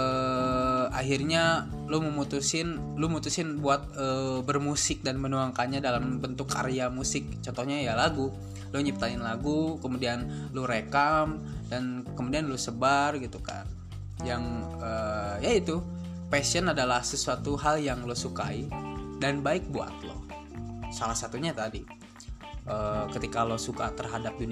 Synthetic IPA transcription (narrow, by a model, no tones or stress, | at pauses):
ə | a̰ɦirɲa | luməmut̪usɪn | luəmut̪usɪnbuat̪̚əbərmusɪk̚danmənuaŋkanɲadalambənt̪ʊkːa̰ɾeamusɪk̚t͡ʃɔnt̪ɔhɲajalaɡu | luɲip̚t̪aɪnlaɡukəmudian | luɾekam | dankəmudianlusəbarɡit̪uka̰n | jaŋ | əːjait̪u | pɛsiɔnadalahsəsuat̪uɦaljaŋlosuka̰idanbaɪk̚bua̰t̪̚lʊ̰h | salahsat̪uɲat̪adi | ʔəːkət̪ikalosukat̪ərɦadap̚duni